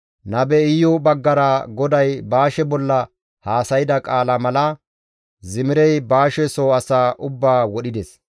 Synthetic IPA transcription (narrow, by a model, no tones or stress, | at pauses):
nɐbɛɪjːɔbɐɡːɐɾɐɡɔd̪ɐjbaːʃɛbɔlːɐ | haːsɐjɪd̪ɐkʼaːlɐmɐlɐ | zɪmɪɾɛjbaːʃɛsoːɐsaːʔʊbːaːwɔɗɪd̪ɛs